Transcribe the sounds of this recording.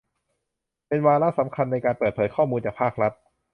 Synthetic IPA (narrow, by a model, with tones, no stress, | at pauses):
pe˧nwaː˧ɾa˦˥ʔsa˩˦mkʰa˧nːa˧jkaː˧npɤː˨˩t̪̚pʰːjkʰɔː˥˩muː˧nt͡ɕaː˨˩pʰaː˥˩k̚ɾa˦˥t̪̚